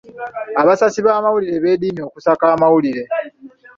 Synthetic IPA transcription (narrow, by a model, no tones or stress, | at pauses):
aβasasiβaːmawuliɾe̞βe̞ːdiːmio̞ːkusakaːmawuliɾe̞